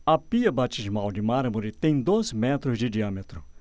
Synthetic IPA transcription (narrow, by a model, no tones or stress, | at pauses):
ɐpiɐbat͡ʃiʒmawd͡ʒɪmaɾmʊɾɪt̪ẽj̃d̪ozmɛt̪ɾʊzd͡ʒɪd͡ʒiamet̪ɾʊ